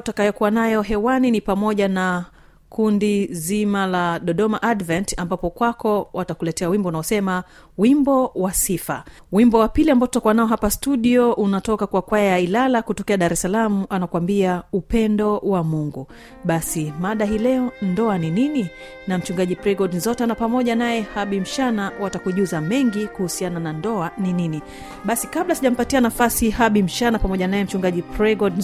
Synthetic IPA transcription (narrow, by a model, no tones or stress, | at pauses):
takajɔkuwanajɔɦɛwaninipamɔʄana | kʰundizimalaɗɔɗɔmaʔadvɛntambapɔkwakɔwʔatakulɛtɛawimbɔunaɔsɛma | wimbɔwasifa | wimbɔwapiliambaɔtutakuwanaɔɦapastuɗiɔʔunatɔkakwakwajajailalakutɔkɛaɗaɾɛsalamuʔanakwambiaupɛndɔwamuŋɡu | ɓasimaɗaɦilɛɔndɔaninini | nam̩t͡ʃuŋɡaʄipɾɛɡɔɗnzɔtanapamɔʄanajɛhaɓim̩ʃanawatakuʄuzamɛŋɡikuhusiananandɔaninini | ɓasikaɓlasiʄam̩patianafasihaɓim̩ʃanapamɔʄanajɛm̩t͡ʃuŋɡaʄipɾɛɡɔd